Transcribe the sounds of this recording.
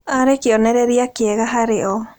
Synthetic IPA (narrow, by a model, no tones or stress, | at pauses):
aɾekeɔnɛɾɛɾiakeɛɣaɦaɾeɔ